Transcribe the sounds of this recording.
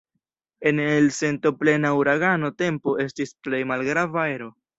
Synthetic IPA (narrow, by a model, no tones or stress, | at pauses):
e̞nelse̞nto̞ple̞nawuɾaɡano̞te̞mpo̞ʔe̞stisple̞jmalɡɾavae̞ɾo̞